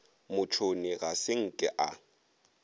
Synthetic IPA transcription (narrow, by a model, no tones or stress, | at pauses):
mʊt͡ʃʰoniɣasɪŋ̩kʼɛʔa̰